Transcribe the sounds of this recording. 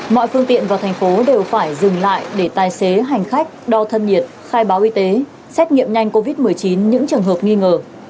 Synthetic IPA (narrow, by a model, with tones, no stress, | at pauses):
mɔ̰˧˨jfɨ˧əŋt̪ḭ˧˨ənvaː˨˩wt̪ʰɛ˨˩ŋ̟fo˨˦ɗe˨˩wfaː˧˩jzɨ˨˩ŋla̰ː˧˨jɗe˧˩t̪aː˨˩jse˨˦ɦa˨˩jŋ̟xa˦˥jk̟̚ɗɔ˧t̪ʰə˧nɲi˨˩ət̚xaː˧jɓaː˨˦wʔi˧t̪e˨˦ | sɛ˦˥t̚ŋḭ˧˨əmɲa˧jŋ̟ko˧vi˦˥t̚mɨ˨˩əjt͡ɕi˨˦nɲɨ̰˧˥ŋt͡ɕɨ˨˩əŋɦəː˨˩p̚ŋi˧ŋəː˨˩